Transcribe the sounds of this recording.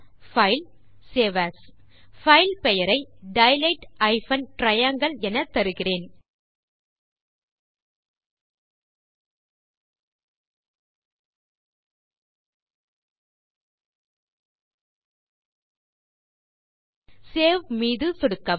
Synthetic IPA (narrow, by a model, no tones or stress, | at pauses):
fɐɪl | seːʋaːsfɐɪlpɛjɐɾɐɪɖɐɪlɐɪʈɐɪfɐnʈɾɐjɐŋɡɐɭɛnɐt̪ːɐɾɯɣɪreːn | seːʋmiːðɯsɔɽɯkːɐ